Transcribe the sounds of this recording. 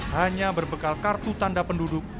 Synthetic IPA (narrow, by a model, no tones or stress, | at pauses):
haɲabərbəkalkart̪ut̪andapəndudʊk̚